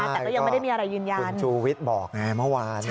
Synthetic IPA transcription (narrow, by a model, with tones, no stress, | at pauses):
a˧˩t̪ɛː˨˩kɔː˥˩ja˧mː˧˥˩a˥˩˨mː˧ʔɾa˧jːɯː˧nja˩˧˦nt͡ɕʰuː˧wi˦˥t̪̚bɔː˨˩k̚ŋa˧mɯ˥˩waː˧nʰ